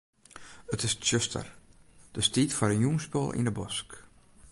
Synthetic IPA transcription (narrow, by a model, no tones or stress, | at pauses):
ətɪssøstʰə̰rd̥əstiːtfɔɾənjuŋspo̰lˠʔḭndəbɔsk